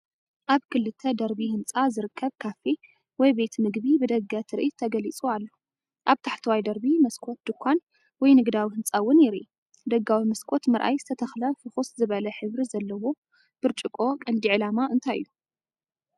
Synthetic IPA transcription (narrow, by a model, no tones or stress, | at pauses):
ʔaβkʰɨlːɨt̪ʰːɐd̪ɐɾbihɨnt͡sʼazɨɾɨkʰːɐβkʰafi | wɔjbe̞t̪mɨɡbibɨd̪ɐɡat̪ʰɨɾʔit̪ʰɐɡɐlit͡sʼoalːo | ʔaβt̪ʰaħt̪ʰɨwajd̪ɐɾbimɐskʰʷʼo̞t̪̚d̪ɨkʷʰːan | wɔjnɨɡd̪awihɨnt͡sʼawɨnɪɾḭʔ | d̪ɐɡːawimɐskʼot̪mɐɾʔa̰jzɨt̪ʰɐt̪ʰɐxlɐfɨxuszɨβɐlɐħɨβɾizɐlːɐwo̞ | b̥ɨɾt͡ʃʼɨkʼo̞kʼɐnd̪iʕɨlamaʔɨnt̪ʰajɨ̰jːu